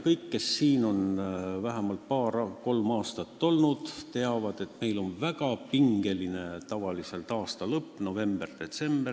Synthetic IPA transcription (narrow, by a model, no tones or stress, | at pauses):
kɤjkːe̞sːiːno̞nvæɦæmɑlt̪̚pɑːɾko̞lmɑːst̪ɑt̪ːo̞lnud̪̥t̪e̞ɑvɑd̪̥e̞t̪me̞jlo̞nvæɡ̥ɑpiŋɡ̥e̞line̞t̪ɑvɑlise̞lt̪ɑːst̪ɑlɤpːˑno̞ve̞mb̥erd̪̥e̞t̪se̞mb̥er